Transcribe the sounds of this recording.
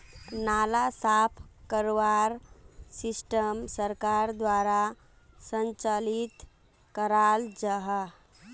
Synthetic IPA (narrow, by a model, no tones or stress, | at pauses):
nalasapʰkəɾwaɾsisʈəmsəɾkaɾd̪waɾa | sənt͡ʃəlit̪ | kəɾald͡ʒəɦə